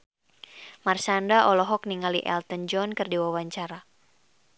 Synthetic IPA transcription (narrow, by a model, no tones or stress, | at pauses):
marsandaʔɔlɔɦɔkniŋalḭʔɛ̰lt̪ənd͡ʒɔnkɨrdiwawaɲt͡ʃaɾa